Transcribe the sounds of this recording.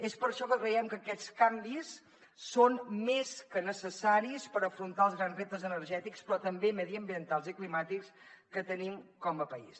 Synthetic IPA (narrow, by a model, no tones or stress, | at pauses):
espəɾʃɔkəkɾəɛmkəkɛt͡skambisː | onmeskənəsəsaɾispəɾəfɾunt̪aəlˠzɣɾanzrep̚t̪əzənəɾʒɛt̪ikspɾɔt̪əmbemɛðiəmbiənt̪alˠziklimat̪ikskət̪ənimkɔməpəḭs